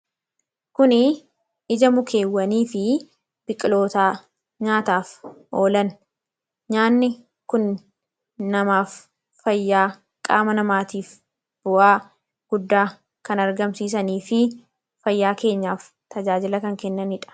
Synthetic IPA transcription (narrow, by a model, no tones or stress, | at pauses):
kʊnɪ | ɪd͡ʒɐmʊkʰe̞ːwːɐniːfɪ | b̥ɪkʼːɪlo̞ːt̪aː | ɲaːt̪aːfʔo̞ːlɐn | ɲaːnːɪ | kʊnː | ɐmaːfː | ɐjːaː | kʼa̰ːmɐnɐmaːt̪iːf | b̥ʊʔaː | ɡ̥ʊd̪ːaː | kɐnɐɾɡɐmsiːs̬ɐniːfɪ | fɐjːaːke̞ːɲːaːf | t̪ɐd͡ʒaːd͡ʒɪlɐkɐŋkɛnːɐnɪᶑɐ̥